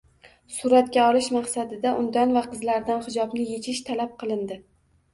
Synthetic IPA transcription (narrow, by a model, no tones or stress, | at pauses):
sʊɾat̪kʲaɒlɪʃmɑqsad̪ɪd̪aʔʊnd̪anvaqʰɨzlaɾd̪anhɪd͡ʒɒbnɪje̞t͡ʃʰɪʃt̪ʰalap̚qʰɨlˠɪnd̪ɪ